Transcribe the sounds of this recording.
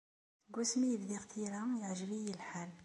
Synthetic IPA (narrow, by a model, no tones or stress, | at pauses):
θɡusmijəbd̪iqt̪ʰiɾajəʕʒəbijəlħal